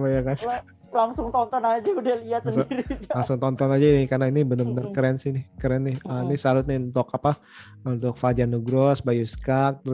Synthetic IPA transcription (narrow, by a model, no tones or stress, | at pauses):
ajaka | laŋsʊŋt̪ɔnt̪ɔnad͡ʒaudahliat̪̚səndiɾilaŋsʊŋt̪ɔnt̪ɔnad͡ʒanɪkarnainibənərbənərkɾɛnsɪnɪhkəɾɛnːɪhənisaɾʊt̪̚nɪunt̪ʊkapa | unt̪ʊk̚fad͡ʒanuɡɾɔsbajuskak̚t̪əɾ